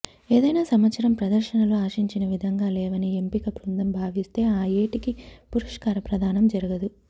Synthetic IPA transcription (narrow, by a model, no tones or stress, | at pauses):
eːd̪ɐjnaːsɐmʋɐt̪sɐɾɐmpɾɐd̪ɐɾʃɐnɐluaːʃiɲt͡ʃinɐʋid̪ʱɐŋɡaːlɛːʋɐniempikɐpɾund̪ɐmbʱaːʋist̪e̞ːaːjeːʈikipuɾɐʂkaːɾɐpɾɐd̪ʱaːnɐmd͡ʒɐɾuɡɐd̪u